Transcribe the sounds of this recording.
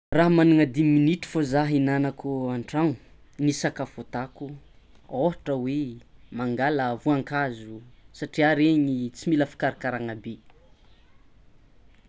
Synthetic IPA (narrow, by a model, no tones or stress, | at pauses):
raɦmanuŋəd̪iminit̪i̥fozaɦinanakuaɳʈ͡ʂaŋu | nisakafot̪aku | oɦaʈ͡ʂəwemaŋɡaləvuaŋkazusaʈ͡ʂiaɾeɲit͡similəfi̥kaɾakaɾaŋabe